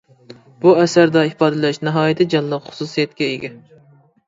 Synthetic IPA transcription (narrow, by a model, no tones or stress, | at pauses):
b̥uɛsæɾd̪ɑɪpɑːd̪ɨlɛʃnɨɦɑːjɪt̪ʰɨd͡ʒɑnlˠəqχʊ̥susijɛt̪kʲɛeɡʲɛ